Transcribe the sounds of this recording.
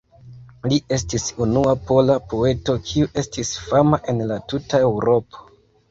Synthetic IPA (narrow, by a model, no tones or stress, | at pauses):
lie̞stisunuapo̞lapo̞e̞to̞kʰiuʔe̞stisfamaʔe̞nlatutae̞wɾo̞pʰo̥